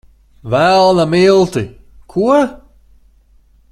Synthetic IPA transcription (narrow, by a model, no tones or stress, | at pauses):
vɛlˠnamilˠt̪i | kʰuə